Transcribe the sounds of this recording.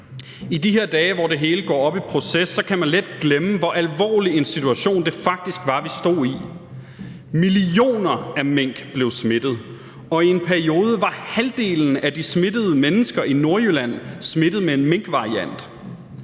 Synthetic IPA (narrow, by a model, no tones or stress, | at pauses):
id̥iɦeɐd̥ɛːʋɒde̝ɦe̝ːləɡ̥ɒ̰ːɒ̽b̥ipʰʁo̝sesːɒ̽kʰæmænled̥ɡ̥leməʋɒ̽ʔælʋɒ̰ːlie̝nsit͡sʰuæɕo̝̰ːnd̥e̝fɑ̈ɡ̥̚d̥isɡ̥ʋɑ̈ʋisd̥o̝̰ːi | milio̝̰ːnɐæmeŋ̰ɡ̥b̥le̝ʊsme̝d̥ð̞̩ˠ | ɒ̽ie̝npʰæɐio̝ːð̞ˠəʋɑ̈hæld̥e̝̰ːln̩æd̥isme̝d̥əð̞̩ˠəmenəsɡ̥ɐʔino̝ɐjølæn̰sme̝d̥ð̞̩ˠmee̝nmeŋ̰ɡ̥ʋɑ̈ʁiæn̰d̥